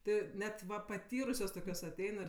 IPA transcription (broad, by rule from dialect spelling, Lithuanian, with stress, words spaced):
ˈtʲɪ ˈnʲɛt ˈʋɐ pɐˈtʲiːrʊsʲoːs ˈtoːkʲoːs ɐˈtʲɛɪn ɪr